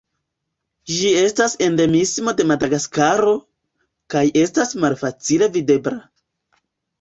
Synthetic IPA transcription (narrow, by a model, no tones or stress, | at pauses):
d͡ʒie̞stase̞nde̞mismo̞de̞madaɡaskaɾo̞ | kaje̞stasmalfat͡sile̞vide̞bɾa